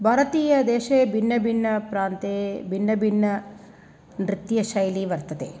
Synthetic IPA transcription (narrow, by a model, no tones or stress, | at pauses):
bʱɐːɾɐt̪iːjɐd̪eːʃeːbʱinːɐbʱinːɐpɾaːnt̪eːbʱinːɐbʱinːɐ | nɾɪt̪jɐʃɐjliʋɐɾt̪ɐt̪eː